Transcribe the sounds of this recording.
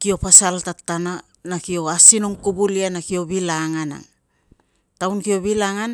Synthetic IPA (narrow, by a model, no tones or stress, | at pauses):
kio̞pasaltatːana | nakio̞asino̞ŋkubulianakio̞βilaŋana̰ | tawnkio̞βilaŋan